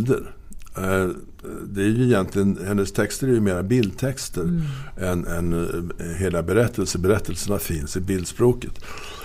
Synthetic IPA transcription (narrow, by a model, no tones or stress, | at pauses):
d̪əɾ | d̪ɛæɾjɵɪjɛnt̪lɪɡənhɛnːəst̪ʰɛkst̪əɾæɾjɵmeːɾabɪld̪̚t̪ʰɛkst̪əɾɛnɛnɦeːlabɛɾɛt̪ʰːəlsəbɛɾɛt̪ʰːəlsəɳafɪnsɪbɪld̪spɾoːkət̪